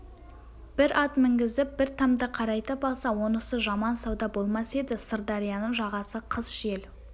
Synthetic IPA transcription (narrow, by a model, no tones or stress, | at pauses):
b̥ɪɾʔɑt̪mɪŋɡʲɪzɪp̚bɪɾt̪ʰɑmd̪əqʰɑɾɑjt̪əpɑlˠsɑwo̞nəsəʒɑmɑnsɑwd̪ɑbo̞lˠmɑse̞d̪ɪsəɾd̪ɑɾijɑnəɴʒɑʁɑsəqʰəzʒe̞l